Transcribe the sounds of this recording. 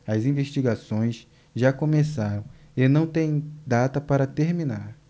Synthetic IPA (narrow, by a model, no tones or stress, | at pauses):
ɐzĩveʃt͡ʃiɡasõj̃s | ʒakõmesaɾɐ̃w̃ | enɐ̃w̃t̪ẽj̃d̪at̪ɐpaɾɐt̪eɾmĩnaɾ